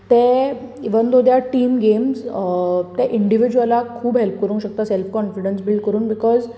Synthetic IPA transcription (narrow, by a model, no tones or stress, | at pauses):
t̪ɛ̃ | iʋənd̪od̪jaʈiːmɡemz | t̪ɛ̃ʔiɳɖiʋid͡ʑuəlakʰuːbɦelp̚kəɾũŋkɕək̚t̪asɛlfkɔnfiɖənsbilɖ̚kəɾuːnbikɔz